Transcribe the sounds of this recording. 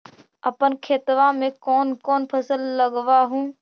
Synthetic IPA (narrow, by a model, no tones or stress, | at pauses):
əpənkʰeːt̪ʋãːmẽːkoːnkoːnpʰəsəlːəɡʋaːɦũː